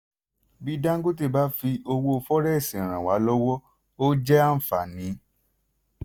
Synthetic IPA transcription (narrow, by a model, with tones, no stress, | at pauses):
bi˨˦dã˦ŋ̩˦ɡu˦t̬i˦˧˨ba˨˦fi˧ʔo˧wo˧o˧fɔ˦ɾɛ˦i˦˨sĩ˨ɾ̃ã˨wa˨˦lɔ˦wɔ˦ | o˦d͡ʒɛ˦a˦m̩˨fa̰˨nĩ˨˦